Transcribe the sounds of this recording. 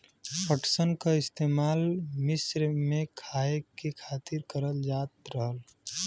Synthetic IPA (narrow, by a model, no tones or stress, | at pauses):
pəʈsənkaɪst̪eːmaːlmɪsɾmẽkʰaːekekʰaːt̪ɪɾkəɾəld͡ʒaːt̪ɾəɦəl